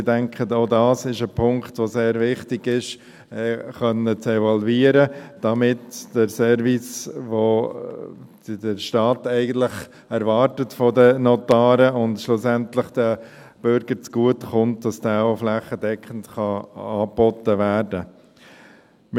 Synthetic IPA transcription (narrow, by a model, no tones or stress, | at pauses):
dɛŋkχətoʊdɑːsɪʃəpʰʊŋktʋoseːɾvɪχtɪɡɪʃ | ɛχœnət͡sɛvɔlviːəɾəd̥ɑmɪtd̥əɾsɛɾvisʋo | dəɾʃtɑːtɛɪɡən̩t̪ləχ | ɛɾvɑːɾtətfɔdənɔtɑːɾəʊndʃlʊsɛntləχd̥ə | b̥ʏɾɡəɾt͡sɡ̥uətχʊnt̚d̥ɑsd̥aːoʊflæχːədɛkχəntχɑɑːpɔtəʋæːɾdə | m